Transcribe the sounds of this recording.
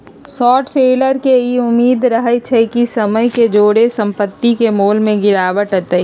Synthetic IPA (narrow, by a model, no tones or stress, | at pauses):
sɔːʈseːləɾkeiʊmːiːd̪ɾɐɦət͡ʃʰɛkisɐməjked͡ʒoːɽesɐ̃mpət̪ːikemoːlmẽɡɪɾaːʋəʈɦət̪əi